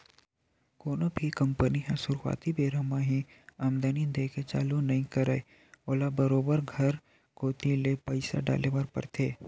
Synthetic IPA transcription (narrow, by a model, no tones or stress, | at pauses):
koːnobʱikɐ̃mpəniɦɛ̃sʊɾa̰ːt̪ibeːɾəmaɦĩ | aːmd̪anid̪eːket͡ʃa̰ːlunɐɦĩkɐɾəe | oːlabɐɾoːbəɾɡʱɐɾ | koːt̪ilepəɪsa̰ɖa̰ːleʋaːɾpɐ̰ɾt̪ʰeː